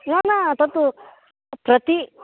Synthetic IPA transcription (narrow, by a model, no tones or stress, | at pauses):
nanat̪ɐt̪u | pɾɐt̪i